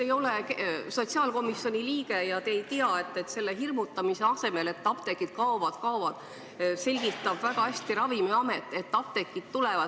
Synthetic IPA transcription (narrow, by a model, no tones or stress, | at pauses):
ejo̞lekso̞t̪ʲsiɑːlko̞misjo̞nʲiliːɡe̞jɑt̪eːjt̪iɑe̞t̪ːe̞t̪ːse̞lːeɦirmut̪ːˑɑmise̞ɑse̞me̞le̞t̪ːɑp̚t̪ekːˑid̪̥kɑovɑd̪̥kɑovɑd̪̥ | se̞lʲɡ̥it̪ːˑɑb̥væɡ̥ɑhæsʲt̪iɾɑvimeɑmet̪ːˑe̞t̪ːɑp̚t̪e̞kːˑid̪t̪ːulevɑ